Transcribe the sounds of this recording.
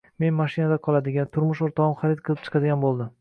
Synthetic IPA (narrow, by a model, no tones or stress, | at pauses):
me̞nmaʃɪnad̪aqʰɒlˠad̪ɪɡʲant̪ʰʊɾmʊʃoɾt̪ʰɒɒmχaɾɪd̪̚qʰɨlˠɪp̚t͡ʃʰɨ̥qʰɑd̪ɪɡʲanbolˠd̪ɪm